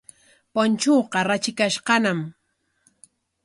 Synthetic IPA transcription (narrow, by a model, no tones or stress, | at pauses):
pont͡ʃoːqɑɾat͡ʃɪkaʃqɑnam